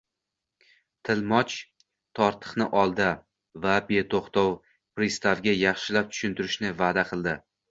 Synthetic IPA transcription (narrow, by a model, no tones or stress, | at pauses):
t̪ʰɪlmɒt͡ʃ | t̪ʰɒɾt̪ʰɨ̥qnɪʔɒlˠd̪a | vabe̞t̪ʰoχt̪ɒw | pɾist̪avɡʲajɑχʃɪlap̚t̪ʰʊ̥ʃʊnt̪ʰʊɾɪʃnɪvad̪aqʰɨlˠd̪ɪ